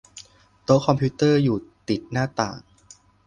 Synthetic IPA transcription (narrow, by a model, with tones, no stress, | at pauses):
t̪o˦˥kʰɔ˧mpʰi˦˥t̪ɤː˥˩juː˨˩t̪i˨˩t̪̚naː˥˩t̪a̰ː˨˩ŋ